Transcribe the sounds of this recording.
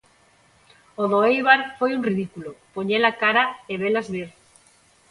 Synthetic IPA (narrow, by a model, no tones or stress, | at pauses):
oðoejβaɾfojunriðikulopoɲelakaɾaeβelazβeɾ